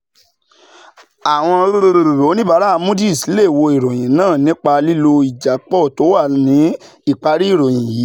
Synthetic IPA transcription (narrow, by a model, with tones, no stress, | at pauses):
a˨w̃ɔ̃˧ɾo˦ɾo˧ɾo˨ɾo˨ɾo˨˦nĩ˦ba˨˧˦ɾa˦˧mũ˦di˦˨si˨˦le˦˨wo˧i˨ɾo˨j̃ĩ˨nãː˦˨nĩ˦k͡pa˧li˦lo˧i˨d͡ʒa˨k͡pɔ˦˨to˨˦wa˦˨nĩ˨˦ | i˦˨k͡pa˧ɾi˦i˦˨ɾo˨j̃ĩ˨jiː˨˦